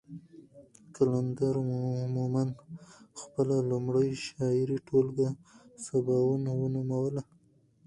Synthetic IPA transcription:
kaland̪aɾmumanxpəlalʊmɽəjʃɑɪɾiʈʰolɡasabɑwunawənumawəla

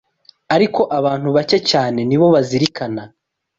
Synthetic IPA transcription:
aɾiko̞ʔaβaːn̥huβace̞caːne̞niβo̞βaziɾikʰana

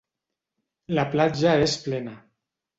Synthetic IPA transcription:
laplad͡ʒaesplena

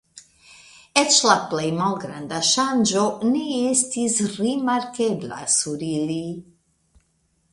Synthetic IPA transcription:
ɛt͡ʃlaplejmalɡɾand̪ɐʃand͡ʒoniest̪isrimaɾkɛbla̰suɾiɾi

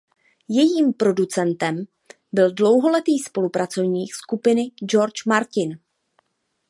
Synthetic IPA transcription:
jɛjiːmpɾo̞dut͡sɛnt̪ɛm | bɪldlo̞wɦo̞lɛt̪iːspo̞lupɾat͡so̞vɲiːxskupɪnɪd͡ʒo̞ɾt͡ʃmaɾcɪn

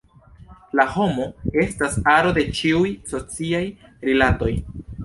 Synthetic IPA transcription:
laho̞mo̞e̞stasaɾo̞de̞t͡ʃiujso̞t͡siajɾilato̞j

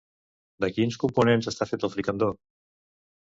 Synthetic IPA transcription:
d̪əkinskumpunenzəst̪afet̪əlˠfɾikənd̪o

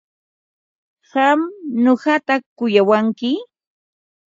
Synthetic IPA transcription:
ɢɑmɲoɢɑt̪akʊjawaŋkɪ

